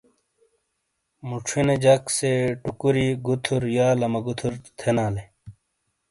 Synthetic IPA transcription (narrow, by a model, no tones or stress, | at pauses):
muʈ͡ʂʰined͡ʑɐkseʈukuɾiɡut̪ʰuɾjaːlɐmɐɡut̪ʰuɾt̪ʰenaːle